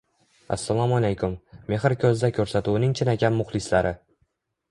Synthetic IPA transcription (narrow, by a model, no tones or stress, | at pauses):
a̰sːalˠɒmalejkʰʊmːe̞ɦɾkʲʰɵzd̪akʲʰɵɾsat̪uwnɪŋt͡ʃʰɪnakʲanmʊχlˠɪslaɾʔɪ